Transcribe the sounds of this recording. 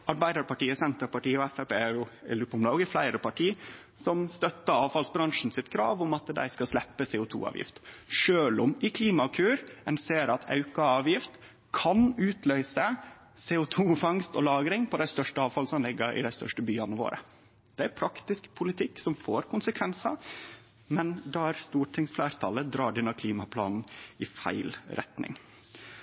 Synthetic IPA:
ɑɾbæɪd̪əɾpɑʈiːəsɛnt̪əɾpɑʈiːɔɛfæpeːɾjʊɛ̰lʉːpːʊmlɑːɡəflæɪɾəpʰɑʈʰiː | sɔmst̪œt̪ːəɾɑːʋfɑlsbɾɑŋʂn̩sɪt̪kʰɾɑ̰ːʋʊmɑt̪d̪æ̰ɪskɑslɛpːəseːʊt̪ʰṵːɑ̰ːʋjɪ̰ft̪ʂøːlʊmɪkʰliːmɑkʰʉːɾɛnseːɾɑt̪ʰɑ̰ʉkɑɑːʋjɪft̪ | kʰɑnʉːt̪lœʏsə | seːʊt̪ʰuːfɑŋst̪ɔlɑːɡɾɪŋpʰɔd̪æɪst̪œʂʈəɑːʋfɑlsɔmlɪɡəɾʔɪ̰d̪æɪst̪œ̰ʂʈəbyːɑnəʋo̰ːɾʔə̰ | d̪̥ɛæɾpʰɾɑkt̪ɪskpʰʊlɪt̪ʰɪkːsɔmfoːɾkʊnsəkʰʋɛnsɑ | mɛnd̪æːɾst̪uːʈʰɪŋsflæːɾt̪ʰɑləd̪ɾɑːɖɛnɑkʰliːmɑpʰlɑ̰ːnn̩ɪfæ̰ɪlɾɛ̰t̪nɪ̰ŋ

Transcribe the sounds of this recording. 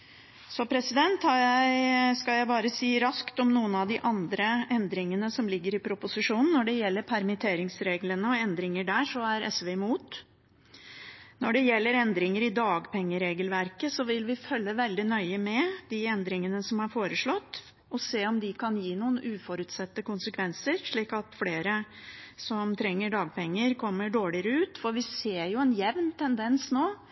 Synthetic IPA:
sɔpʰɾɛsɪd̪ɛnt̪hɑjæɪskɑljæɪbɑːɾəsiːɾɑskt̪ɔmnuːənɑʋd̪ɪʔɑnd̪ɾəɛnd̪ɾɪŋənəsɔmlɪɡːəɾɪpʰɾʊpʊsɪʂuːnn̩ːɔɖɛjɛlːəɾpʰæɾmɪt̪ʰeːɾɪŋsɾeːɡlənəɔɛnd̪ɾɪŋəɖæːʂɔæɾɛ̰sʋɛɪmuːt̪ | nɔɖɛjɛlːəɾɛnd̪ɾɪŋəɾɪd̪ɑːɡpʰɛŋːəɾeːɡəlʋæɾkəsɔʋɪlʋɪfœlːəʋɛld̪ɪnœʏəmɛd̪̥ɪɛnd̪ɾɪŋənəsɔmɑɾfoːɾəʂɭɔt̪ː | ɔseːɔmd̪ɪkʰɑnjiːnuːən̩ʔʉːfɔɾʉːt̪sɛt̪ːəkʊnsəkʰʋɛnsəɾʂɭiːkɑt̪fleːɾəsɔmt̪ʰɾɛŋːəɖɑːɡ̚pʰɛŋːəɾkʰɔmːəɖoːɭɪəɾəʉːt̪fɔɾʋɪseːɾjʊɛnjɛʋnt̪ʰɛnd̪ɛnsnoː

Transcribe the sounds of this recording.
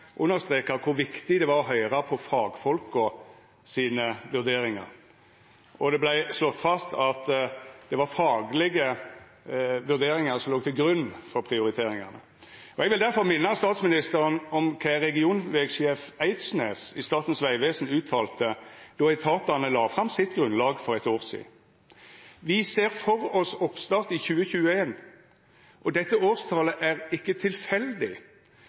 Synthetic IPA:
ʔʉnːəst̪ɾeːkɑkʰʊɾʋɪkt̪ɪd̪ɛʋɑːɾɔɦœʏɾɑpʰɔfɑːɡfɔlkɔ | siːnəʋʉɾd̪eːɾɪŋɑ̰ɾ | ɔd̪ɛblæɪslɔt̪ːfɑst̪ʰɑt̪d̪̥ɛʋɑɾfɑːɡlɪɡə | ʋʉɾd̪eːɾɪŋɑɾsɔmloːɡ̚t̪ʰɪlɡɾʉnːfɔɾpʰɾɪʊɾɪt̪ʰeːɾɪŋɑnə̰ | ʔɔɛɡʋɪld̪æɾfɔɾmɪnːəɑst̪ɑːt̪smɪnɪst̪əɾənɔmkʰæʁɛɡɪuːnʋɛːɡʃeːfæɪt̪snḛːsɪst̪ɑːt̪n̩sʋæɪʋeːsn̩ʉːt̪ʰɑːlt̪əd̪̥ɔɛɪt̪ʰɑːt̪ɑnəlɑːfʁɑmsɪt̪ɡʁʉnlɑːɡfɔʁɛt̪oːʁsḭː | ʋɪseːʁfɔʁɔsɔpst̪ɑːʁt̪ɪçʉːəçʉːəeːn | ʔɔd̪ɛt̪ːəoːʁst̪ʰɑːləʔæʁɪkːət̪ʰɪlfɛld̪ɪ

